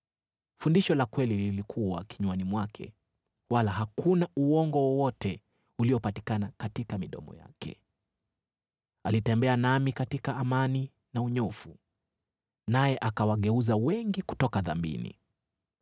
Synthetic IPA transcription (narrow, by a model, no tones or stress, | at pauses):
fundiʃɔlakwɛlililikʰuwa̰kiɲwanimwakʰɛ̰ | walaɦakunauɔŋɡɔwɔwɔtʰɛ | uliɔpati̥kanakatikamiɗɔ̰mɔ̰ja̰kʰɛ̰ | alitɛmbɛanamikatikaːmani | nauɲɔfu | najɛʔakawaɠɛuzawɛŋɡiku̥tɔkaða̰mbḭnḭ